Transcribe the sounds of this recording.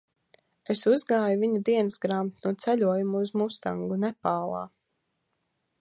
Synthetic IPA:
esuzɡaːjuviɲud̪iɛnsɡɾamt̪nuɔt̪sɛʎʲuɔjumuːzmust̪aŋɡunɛpaːlˠa̰ː

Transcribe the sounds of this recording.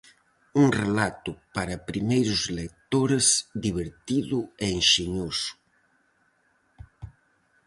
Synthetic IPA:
uŋrelat̪ʊpaɾɐpɾimejɾʊzlek̚t̪oɾezðiβeɾt̪iðʊeːŋʃeɲosʊ̥

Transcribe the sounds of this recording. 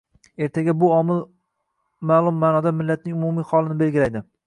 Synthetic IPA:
e̞ɾt̪ʰaɡʲabʊɒmɪl | maːlˠʊmːanɒd̪amɪlːat̪̚nɪŋʊmʊmiχɒlˠɪnɪbe̞lɡʲɪlajd̪ɪ

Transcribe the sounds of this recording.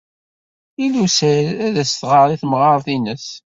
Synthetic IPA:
ilusəɾæðæst̪ʁɑɾˤiθmʁɑɾˤθinəs

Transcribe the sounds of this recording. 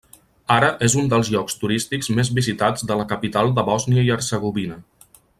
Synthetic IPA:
aɾəʔezund̪əlˠzʎɔkst̪uɾist̪ikzmezβizit̪ad͡zd̪ələkəpit̪alˠd̪əβɔzniəiəɾzəɣuβinə

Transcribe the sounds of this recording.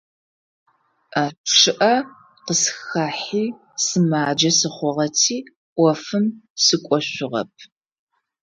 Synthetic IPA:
aːʂɨʔɐ | qəsxaːħiː | sɨmaːd͡ʒɐsɨχʷɔʁɐtʰiː | ʔʷɔfɨmsɨkʷʼɔɕʷʊʁɐ̰p̚ʰ

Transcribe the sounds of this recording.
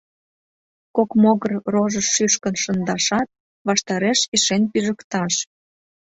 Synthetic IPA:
kokmoɣərroʒəʃːyʃkənʃənd̪ɑʃɑt̪̚ | βɑʃt̪ɑɾeʃiʃenpyʒəkt̪ɑʃ

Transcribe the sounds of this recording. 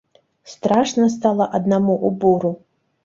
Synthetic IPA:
st̪raʂnas̬t̪alˠaʔad̪namuʔubuɾu

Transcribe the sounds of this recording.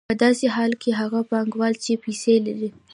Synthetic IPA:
pəd̪ɑseɦɑlkʰeɦaɣapɑŋɡwɑlt͡ʃepiselaɾi

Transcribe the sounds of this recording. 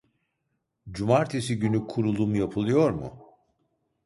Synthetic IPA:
d͡ʒumaɾt̪ʰesiɟynykʰuɾulˠumjapʰɯlˠɯjo̞ɾmṵ

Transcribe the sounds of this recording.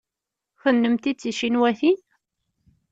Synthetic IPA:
θənːəmt̪it͡sːiʃinwæθin

